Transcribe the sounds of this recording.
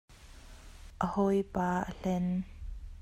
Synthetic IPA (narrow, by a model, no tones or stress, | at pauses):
ʔəhojpaːʔəɬɛn